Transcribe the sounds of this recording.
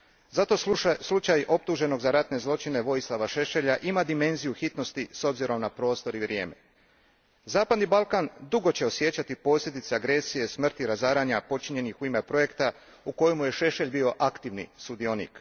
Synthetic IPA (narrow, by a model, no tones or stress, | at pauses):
zat̪o̞slˠut͡ʃajo̞p̚t̪uʒe̞no̞ɡzaɾat̪ne̞zlˠo̞t͡ʃine̞ʋo̞jislˠaʋaʃe̞ʃe̞ʎaʔimad̪ime̞nzijuxit̪no̞st̪iso̞bziɾo̞mnapɾo̞ːst̪o̞ɾiʋɾje̞ːme̞̰ | zaːpad̪nibalˠkand̪uɡo̞t͡ɕe̞o̞sje̞t͡ɕat̪ipo̞ːslʎʲe̞d̪it̪seaɡɾe̞sije̞smr̩t̪iɾazaːɾaɲapo̞t͡ʃiɲe̞nixuime̞pɾo̞je̞kt̪a | uko̞jemuje̞ʃe̞ʃe̞ʎʲbio̞ʔakt̪iʋnḭsud̪io̞nḭk